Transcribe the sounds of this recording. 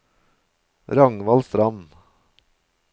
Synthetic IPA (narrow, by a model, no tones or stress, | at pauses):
ɾɑŋʋɑlsɾɑmn